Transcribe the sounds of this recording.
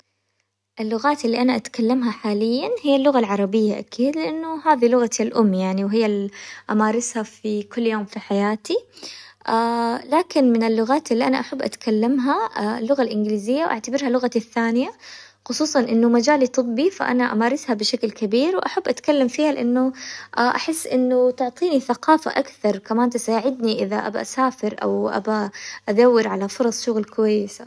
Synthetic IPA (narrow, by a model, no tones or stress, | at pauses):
ʔɪlːʊɣaːt̪ʔɪlːiʔanaʔat̪kalːamɦaħaːlɪjːanhɪjːalːʊɣalʕɑɾˤɑbɪjːaʔakʰiːd̪lɪʔanːʊhaːðilʊɣatːalʔʊmːjaʕniwɦɪjːaʔamaːɾˤɪshafikʊlːjoːmfiħajaːt̪iʔaːlaːkɪnmɪnɪlːʊɣaːt̪ʔɪlːiʔanaʔaħabːʔa̰t̪kalːamɦaalːʊɣalʔɪnɡɪliːzɪjːawʔa̰ʕt̪abɪɾhalːʊɣaaθːaːnɪja | xʊsˤuːsˤɑnʔɪnːʊmad͡ʒaːlit̪ˤɨbːifa̰ʔa̰naʔa̰maːɾˤɪshabɪʃaklkabiːɾwʔaħabːʔat̪kalːamfiːhalɪʔanːʊʔaʔaħɪsːʔɪnːʊt̪ʊʕt̪ˤiːniθaqɑːfa̰ʔakθɑɾˤkamaːnt̪asaːʕɪd̪niʔɪðaʔa̰ba̰ʔasaːfɪɾʔa̰wʔa̰baʔad̪awːɪɾʕalafʊɾˤɑsˤʃʊɣlkʊwajːɪsa